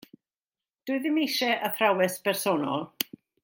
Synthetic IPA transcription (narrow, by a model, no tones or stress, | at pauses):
d̥ʊɨðɪmejʃɛʔəfrawɛspʰɛrsɔːnɔ̰lˠ